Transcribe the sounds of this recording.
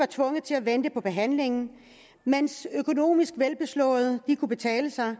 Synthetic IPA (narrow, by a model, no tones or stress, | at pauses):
ɑ̈t͡sʰʋɔ̽ŋəð̩ˠt͡sʰe̝læʋend̥əpʰɒ̽b̥e̝ɦæn̰le̝ŋn̩ | mensøkʰo̝no̝̰ːmisɡ̥ʋelb̥e̝slɔ̰̽ːð̩ˠd̥ikʰub̥e̝t͡sʰɛ̰ːləsɑ̈ɪ